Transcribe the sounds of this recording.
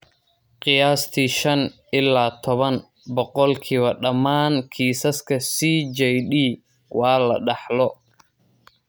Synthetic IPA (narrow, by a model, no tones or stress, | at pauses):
qɪjaːst̪ʰiːʃɐnʔɪlːaːt̪ʰɔβɐn | bɔqɔlkʰiːβɐɖɐmaːŋkʰiːsɐskʰɐsiːd͡ʒɛjɗiː | wɑːlɐ̰ɖɑħlɔ